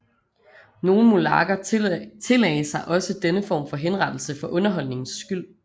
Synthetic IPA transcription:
no̝ːln̩molɑ̈ːɡ̥ɐt͡sʰe̝lɛɪsɑ̈ɪʔɒ̽səd̥enəfɒ̰ːmfɒ̽ɦenʁɑ̈d̥l̩səfɒ̽ʔɔ̽nɐɦɒ̽l̰ne̝ŋn̩sːɡ̥yl̰

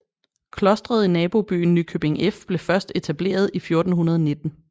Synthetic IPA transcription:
kʰlɒ̽sd̥ʁɐð̞̩ˠinɛːb̥o̝b̥y̰ːn̩ːykʰøb̥e̝ŋefb̥le̝fɶɐsd̥e̝t͡sʰæb̥le̝̰ːɐð̞ˠifjo̝ɐd̥n̩ɦunɐð̞ˠɒne̝d̥n̩

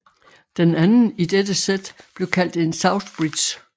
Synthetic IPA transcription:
d̥enænn̩id̥ed̥əsed̥b̥le̝ʊkʰæl̰d̥e̝nsɑ̈ʊθb̥ʁid̥ɕ

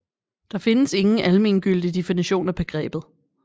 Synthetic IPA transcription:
d̥ɑ̈fe̝nəse̝ŋn̩ʔælme̝̰ːnɡ̥yl̰d̥id̥efiniɕo̝̰ːnæb̥e̝ɡ̥ʁɛ̰ːb̥ð̩ˠ

